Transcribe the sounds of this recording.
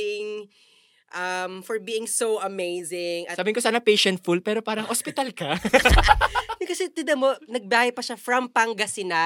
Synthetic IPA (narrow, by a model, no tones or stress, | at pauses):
ɪŋ | ʔɐmfɔɹbiːɪŋsowɐmejzɪŋɐsaːbɪŋkosaːnɐpejʃɛnt̪̚fulpɛːɾopaːɾɐŋʔospɪt̪ɐlkɐ | kɐsɛt̪ɪd̪ɐmonɐɡ̚baːhɐjpɐʃafɹɐmpɐŋɡɐsɪna